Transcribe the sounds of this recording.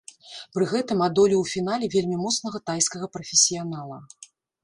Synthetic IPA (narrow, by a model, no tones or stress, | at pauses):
pɾɨɣɛt̪ɨmad̪ɔlʲiwfʲin̪alʲɛvʲelʲmʲimɔt̪snɐɣɐt̪ajskɐɣɐpɾɐfʲɪsʲijanalˠɐ